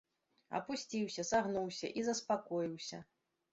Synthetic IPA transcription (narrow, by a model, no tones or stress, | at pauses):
ɐ̰pusʲt͡sʲiwsʲɐsaɣnuwsʲɐ̰ʔizɐspakɔjiwsʲɐ